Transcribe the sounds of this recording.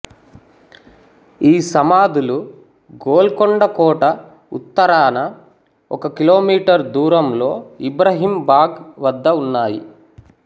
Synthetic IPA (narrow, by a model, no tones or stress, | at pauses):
iːsɐmaːd̪ulu | ɡoːlkoɳɖɐkɔːʈɐ | ṵt̪ːɐɾaːnɐ | ɔkɐkilo̞ːmiːʈɐɾd̪uːɾɐmlo̞ːibɾɐɦimbaːɡʋɐd̪ːɐunːaːjḭ